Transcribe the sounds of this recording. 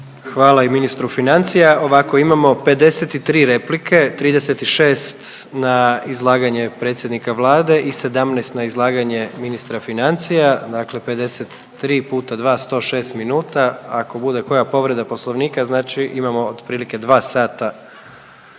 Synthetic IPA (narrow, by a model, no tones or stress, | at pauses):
xʋaːlaiminist̪ɾufinant̪sijao̞ʋako̞imamo̞pe̞d̪e̞set̪it̪ɾiːɾe̞plikʰe̞t̪ɾiːd̪eset̪iʃe̞ːst̪naizlˠaːɡaɲepɾe̞ːt̪sʲje̞d̪nikaʋlˠaːd̪e̞ʔise̞d̪amnɛjst̪naizlˠaːɡaɲe̞minist̪ɾafinant̪sijad̪akle̞pe̞d̪e̞se̞t̪ːɾiːpuːt̪ad̪ʋaːst̪o̞ːʃe̞ːst̪minuːt̪aako̞bud̪e̞ko̞japo̞ʋɾe̞d̪apo̞slˠoʋniːkaznaːt͡ʃiʔimamo̞od̪pɾiːlike̞d̪ʋaːsaːt̪a